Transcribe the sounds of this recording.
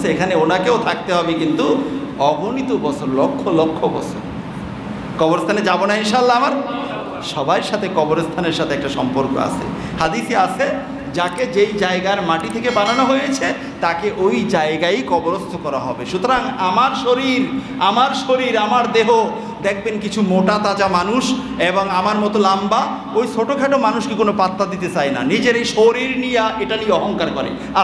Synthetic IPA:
sʰeekʰaneonakeot̪ʰak̚t̪eɦɔbekint̪u | ɔbʱonit̪obɔt͡ʃʰoɾlokʰːolokʰːobɔ̰t͡ɕʰo̰ɾ | kɔboɾest̪ʰaned͡ʑabonainʃaalːaamaɾ | ʃɔbajɾʃat̪ʰekɔboɾost̪ʰaneɾʃat̪ʰeɛk̚ʈaʃɔmpoɾko̰a̰t͡ɕʰḛ | had̪iseat͡ɕʰe | d͡ʑaked͡ʑejd͡ʑaeɡaeɾmaʈit̪ʰekebananoɦojet͡ɕʰe | t̪akeʔojd͡ʑaeɡajkɔboɾost̪ʰokɔɾa̰ɦɔ̰beʃut̪oɾaŋamaɾʃoɾiɾ | amaɾʃoɾiɾamaɾd̪eɦo | d̪ek̚ʰbenkit͡ɕʰumoʈat̪ad͡ʑamanuʃ | eboŋamaɾmɔt̪olamba | ojsoʈokʰaʈomanuʃkikonopat̪ːad̪it̪et͡ɕaena̰nid͡ʑeɾejʃoɾiɾnijaʔeʈanijeɔɦoŋkaɾkɔɾḛ | a

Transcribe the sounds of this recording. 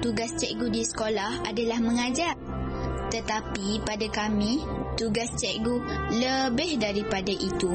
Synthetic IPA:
t̪uɡast͡ʃɛʔɡudisə̥kolahadalahmə̃ŋad͡ʒar | t̪ət̪apipadakamĩ | t̪uɡast͡ʃɛʔɡuləbɪhdaɾipadaʔit̪u

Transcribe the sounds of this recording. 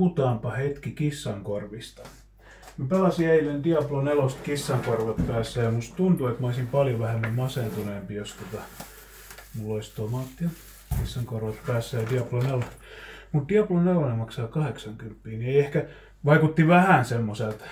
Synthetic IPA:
ut̪ɑːmpɑhet̪kikisːɑŋkorʋist̪ɑ̥ | mipelɑsiæilːend̪iɑplonelost̪kisːɑŋkorʋɑt̪pæːsːæjjɑmust̪t̪unt̪uet̪mæoisimpɑljoʋæhemːæmmɑsent̪uneːˑmpijost̪ot̪ɑ | mulːoist̪omɑt̪jɑ | kisːɑŋkorʋɑt̪pæːsːæjd̪iɑplonelot̪mut̪d̥̪iɑplonelonemɑksɑːkɑheksɑŋkympːiːnieehkæ | ʋɑikut̪ːiʋæhænsemːoselt̪

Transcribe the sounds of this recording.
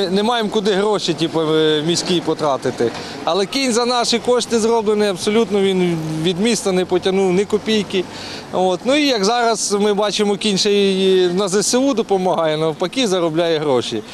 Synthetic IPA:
nɛmɑjemkʊd̪ɪɦɾɔʃitʲipɐmʲisʲkipɔt̪ɾɑt̪ɪt̪ɪ | ɐlˠɛkʲinʲzɐnɑʃɪkɔʃt̪ʲt̪ɪzrɔblˠenɪjɐbsɔlʲut̪nɔʋʲinʋʲid̪mʲist̪ɐnɛpɔtʲɐnuwnɛkɔpʲijki | ot̪nuijɐɡzɑɾɐzmɪbɑt͡ʃɪmɔkʲinʲʃɛjnɐzɪsɪud̪ɔpɔmɐɦɑjɛnɐwpɐkʲizɐɾɔblʲɑjɛɦɾɔʃʲḭ

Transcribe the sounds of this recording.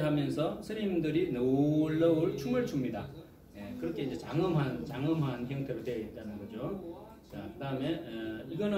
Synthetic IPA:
ɦamjʌnsʰʌsʰɯɾimdɯɾinoɭːʌuɭt͡ɕʰuŋɯɭt͡ɕʰumɲida | nekɯɾʌkʰe̞ind͡ʑe̞t͡ɕaŋɯmɦant͡ɕaŋɯmɦançjʌŋtʰe̞ɾotweit̚t͈anɯnɡʌd͡ʑo | t͡ɕakɯdaɯme̞iɡʌnɯ

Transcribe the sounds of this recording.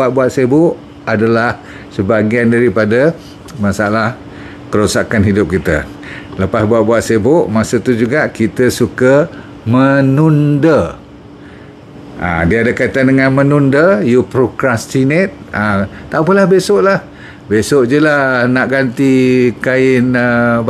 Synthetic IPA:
bat̪̚buat̪̚sebʊʔ | adalah | səbaɡiandaɾipadə | masalah | kəɾusakanɦidʊp̚kit̪ə̰ | ləpasbuat̪̚buat̪̚sebʊʔmasət̪ud͡ʒuɡaʔkit̪əsukə | mənundə | a̰diəadakait̪andəŋanmənundəjupɾokɾast̪inɛt̪̚at̪apəlahbesɔʔlah | besoʔd͡ʒəlanaʔɡant̪ikaɪnə

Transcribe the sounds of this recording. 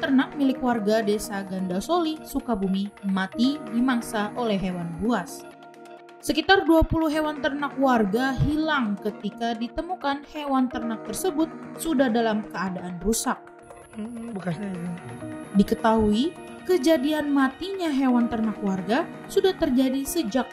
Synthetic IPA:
t̪ərnak̚milɪkwarɡadesaɡandasolisukabumimat̪idimaŋsaʔolɛɦewanbuas | səkit̪arduapuluɦewant̪ərnakwarɡaɦilaŋkət̪ikadit̪əmukanhewant̪ərnak̚t̪ərsəbʊt̪̚sudahdalamkəadaʔanrusak̚ | dikət̪aɦuikəd͡ʒadianmat̪iɲaɦewant̪ərnakwarɡa | sudaht̪ərd͡ʒadisəd͡ʒak̚

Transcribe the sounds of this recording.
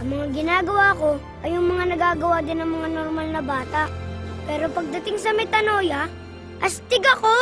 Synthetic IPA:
ʔɐŋmɐŋaɡɪnaːɡɐwaːɐko̞ | ʔɐjʊŋmɐŋanɐɡaːɡɐwaːd̪ɪnɐŋmɐŋanoɾmalnɐbaːt̪ɐʔpɛːɾo̞pɐɡ̚d̪ɐt̪ɪŋsɐmɛt̪ɐno̞ːjɐ | ʔɐst̪ɪɡɐko

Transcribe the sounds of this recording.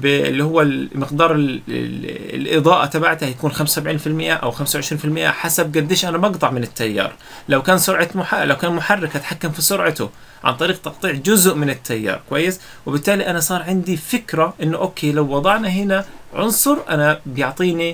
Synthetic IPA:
bɪɪ̰lːihʊwːalmɪqd̪ɑːɾˤɪ̰ | lʔɨd̪ˤɑːʔat̪abaʕt̪hajakuːnxamssabʕiːnfɪlmɪʔaʔa̰wxamsawʕɪʃɾiːnfɪlmɪʔːa̰ħasab̚ɡad̪ːɪʃʔanabɑɡt̪ˤɑʕmɪnɪt̪ːajːɑ̰ːɾˤ | lawkaːnsʊɾʕɑmʊħalawkaːnmʊħarːɪkʔat̪ħakːamfisʊɾʕat̪ʊ | ʕa̰nt̪ˤɑɾiːq̚t̪ɑqt̪ˤiːʕd͡ʒʊzʔmɪnɪt̪ːajːɑ̰ːɾˤkʊwajːɪs | wɪbɪt̪ːaːliʔanasˤɑːɾˤʕɪnd̪ifɪkɾaʔɪnːʊʔoːkʰeːlawːɑd̪ˤɑʕnaɦɪnaʕʊ̰nsˤʊɾˤʔanabjʊʕt̪ˤiːni

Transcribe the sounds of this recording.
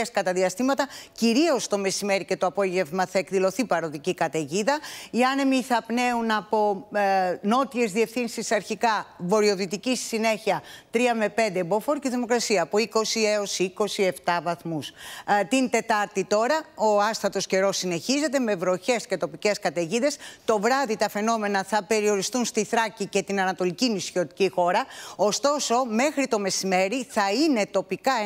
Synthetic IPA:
eskɐt̪ɐðiɐst̪imɐt̪ɐciɾio̞st̪o̞me̞sime̞ɾice̞t̪oɐpo̞ʝe̞vmɐθɐe̞kðilo̞θipɐɾo̞ðicikɐt̪e̞ʝiðɐiɐne̞miθɐpne̞unɐpo̞ | no̞t̪ie̞zðie̞fθinsisɐɾçikɐvo̞ɾio̞ðit̪icisi̥sine̞çiɐt̪ɾiɐme̞pe̞nd̪ebo̞fo̞ɾciðimo̞kɾɐsiɐːpo̞iko̞sieo̞siiko̞sie̞ft̪ɐvɐθmust̪int̪e̞t̪ɐɾt̪it̪o̞ɾɐoɐsθɐt̪o̞sce̞ɾo̞sːine̞çize̞t̪e̞me̞vɾo̞çe̞sce̞t̪o̞pice̞skɐt̪eʝiðe̞st̪o̞vɾɐðit̪ɐfe̞no̞me̞nɐθɐpe̞ɾio̞ɾist̪unst̪iθɾɐcice̞t̪inɐnɐt̪o̞licinisiot̪icixo̞ɾɐo̞st̪o̞so̞me̞xɾit̪o̞me̞sime̞ɾiθɐine̞t̪o̞pikɐ

